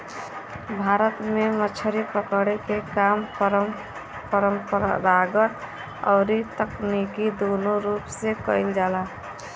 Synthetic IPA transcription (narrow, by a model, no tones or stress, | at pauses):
bʱaːɾət̪memət͡ʃʰəɾipəkɽekekaːmɾ | pəɾəmpəɾ̰ɾaɡət̪ | ɔ̰ːɾit̪əknikid̪oːnoɾuːpsekəɪld͡ʒaːlaː